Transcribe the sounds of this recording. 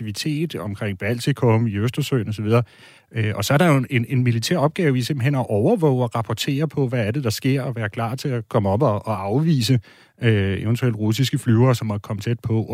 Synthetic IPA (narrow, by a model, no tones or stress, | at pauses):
iʋit͡sʰe̝̰ːd̥ɒ̽mkʰʁɛŋ̰b̥æl̰t͡sʰikʰɔmiøsd̥ɐsø̰ːnɒ̽sɒʋið̞ˠɐː | øʔɒ̽sɒ̽æɐɾɑ̈jo̝e̝ne̝nmilit͡sʰæ̰ɐ̰ɒ̽b̥̚ɡ̥ɛːʊise̝mb̥l̩ɦenɒʔɒʊɐʋɔʊ̰ɒʁɑ̈pʰɒt͡sʰe̝̰ːɐpʰɒ̽ʋææɐd̥e̝d̥ɑ̈sɡ̥e̝ɐ̰ɒ̽ʋæːɐkʰlɑ̰̈ːt͡sʰe̝lækʰɒ̽məɒ̽b̥ɒʔɒɑ̈ʊʋḭːsə | øeʊənt͡sʰuel̰d̥ʁusisɡ̥əflyʊɐːsɒ̽mːɒ̥kʰɒ̽mət͡sʰed̥̚pʰɒ̽